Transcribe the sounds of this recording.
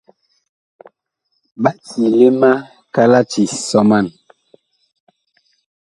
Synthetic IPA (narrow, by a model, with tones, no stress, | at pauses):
ba˦ʔti˨le˦ma˦ | ka˦la˦t͡ʃi˨sɔ˦ma˦˨n